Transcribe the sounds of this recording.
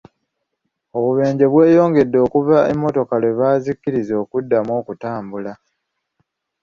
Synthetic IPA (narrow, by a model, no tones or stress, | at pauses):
o̞βuβe̞ːɲɟe̞βwe̞ːjo̞ːŋɡe̞dːo̞ːkuvaḛmːo̞to̞kalweβaːzikːiɾizo̞ːkudːamo̞ːkutaːmbula